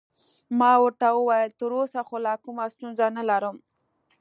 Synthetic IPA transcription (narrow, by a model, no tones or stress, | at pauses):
mɑwəɾt̪awəwɑjəlt̪əɾosaxolakumast̪unzanalaɾəm